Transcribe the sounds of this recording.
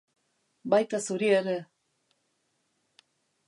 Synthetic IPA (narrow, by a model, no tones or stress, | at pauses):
bajt̪asuɾieɾe